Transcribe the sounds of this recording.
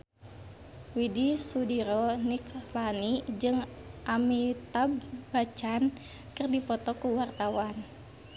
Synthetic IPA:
widisudiɾɔniklanid͡ʒɨŋʔamit̪abbat͡ʃan | kɨrdipɔt̪ɔkuwart̪awan

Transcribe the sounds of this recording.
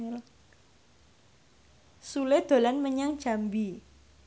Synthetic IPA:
l | suled̪̥o̤lanməɲaŋ̥ʒ̥a̤mbi

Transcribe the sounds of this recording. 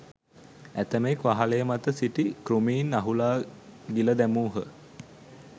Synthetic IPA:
æt̪əmekʋaɦaləjəmat̪əsiʈikɾumiːnaɦulaːɡiləd̪æmuːɦə

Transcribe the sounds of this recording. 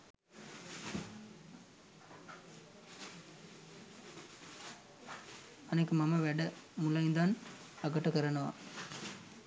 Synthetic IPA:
ɐnɐkːɯmɐmɐʋɛɽɐmʊlːɐjɪnd̪aːn | ɐkːɐʈːɐkɐɾɐnɐʋa̰ː

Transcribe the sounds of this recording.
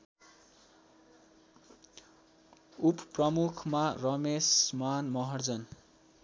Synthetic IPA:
upprʌmukʰmarʌmesmanmʌɦʌrd͡zʌn

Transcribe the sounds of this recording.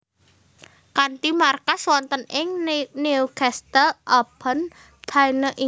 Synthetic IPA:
kant̪imarkaswɔnt̪ənɪŋniukɛst̪əlʔɔb̥ən | d̪̥ʰainəʔi

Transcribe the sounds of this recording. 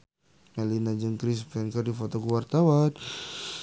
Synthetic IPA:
malinad͡ʒəŋkɾispɛnkərdifot̪ɔkuwart̪awan

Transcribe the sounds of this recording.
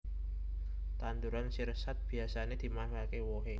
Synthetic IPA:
t̪and̪uɾansirsat̪̚b̥i̤asaned̪̥i̤mankakewoɦe

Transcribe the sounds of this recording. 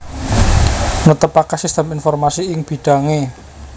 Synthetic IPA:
nut̪əpakasist̪əminfɔrmasiɪŋb̥i̤ɖ̪̥a̤ŋe

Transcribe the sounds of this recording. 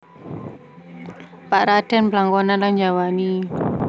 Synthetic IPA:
paʔɾad̥ɛ̤nblaŋkɔnanland͡ʒawani

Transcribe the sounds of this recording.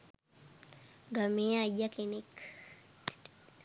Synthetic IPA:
ɡɐmeːɐjːɐkɪnɪk

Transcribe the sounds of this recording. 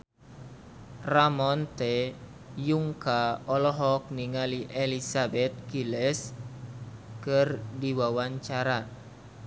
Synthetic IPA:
ramɔnt̪e | juŋkaɔlɔɦɔk̚niŋaliʔelisabɛt̪̚kilɛs | kərdiwawaɲt͡ʃaɾa

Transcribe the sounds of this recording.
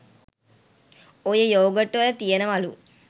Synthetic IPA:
ojejoːɡɐʈːuʋɐlɐt̪ijenɐʋɐlu

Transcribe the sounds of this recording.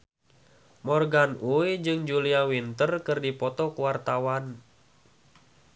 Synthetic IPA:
mɔrɡanuid͡ʒɨŋd͡ʒuliawint̪ərkɨrdipɔt̪ɔkuwart̪awan

